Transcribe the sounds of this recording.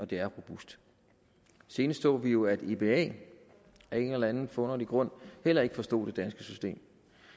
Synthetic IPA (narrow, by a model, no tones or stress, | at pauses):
ɒ̽d̥e̝æɐʁo̝b̥usd̥ | se̝ːnəst͡sʰɔ̰̽ːʋijo̝æd̥e̝b̥e̝ɛ̰ː | æɐe̝nlænð̩fɔ̽nɐd̥iɡ̥ʁɔ̽n̰hel̰ɐe̝ɡ̥əfɒ̽sd̥o̝̰ːd̥e̝d̥ænsɡ̥əsysd̥e̝̰ːm